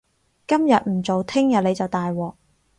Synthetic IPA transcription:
kɐ˥mjɐ˨t̚m̩˨˩t͡so˨wt̪ʰɪ˥ŋjɐ˨t̚le˨˧jt͡sɐ˨wt̪aː˨jwɔː˨˩k̚

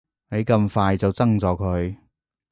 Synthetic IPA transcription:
ne˨˧jkɐ˧mfaː˧jt͡sɐ˨wt͡sɐ˥ŋt͡sɔː˨kʰɵ˨˧ɥ

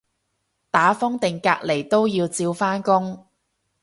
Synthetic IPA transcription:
t̪aː˨˥fɔ˥ŋt̪ɪ˨ŋkaː˧k̚le˨˩jt̪o˥wjiː˧wt͡siː˧wfaː˥nkʊ˥ŋ

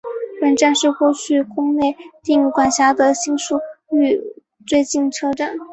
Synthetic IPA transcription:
wa˨˩nʈ͡ʂa˥˧nʂɻ̩˥˧kwɔ˥˧t͡ɕʰy˥˧kʊ˥ŋle˥˧ɪt̪i˥˩ŋi˧˥˩kwa˨˩nɕja˥d̪ə˨ɕi˥ŋʂu˥˩y˥˧ | t͡swe˥˧ɪt͡ɕi˥˩nʈ͡ʂʰɤ˥ʈ͡ʂa˨˩˦n

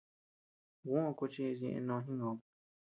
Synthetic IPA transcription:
ɣũ˦˧ku˧t͡ʃi˧zẽ˧ʔḛ̃˧nõ˧ɦĩ˦õ˨˧

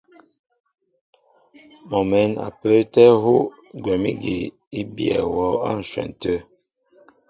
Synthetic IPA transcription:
mɔ˨mɛ˨˦na̰˨pə˦tɛ˦ɦo˦ | ɡwɛ˨mi˦ɡi˨ | i˦bjɛ̰˨wɔ˨˦a̰˦n̩˨swɛ̰˨n˨tə˦

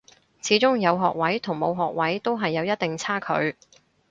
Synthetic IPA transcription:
t͡sʰiː˨˥t͡sʊ˥ŋjɐ˨˧wɦɔː˨k̚wɐ˨˥jt̪ʰʊ˨˩ŋmo˨˧wɦɔː˨k̚wɐ˨˥jt̪o˥wɦɐ˨jːɐ˨˧wjɐ˥t̪̚t̪ɪ˨ŋt͡sʰaː˥kʰɵ̰˨˧ɥ

